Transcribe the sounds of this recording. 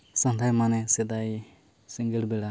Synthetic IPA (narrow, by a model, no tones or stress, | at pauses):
sand̪ʱajmanɛsɛd̪aj | siŋɡɛɽbɛɽa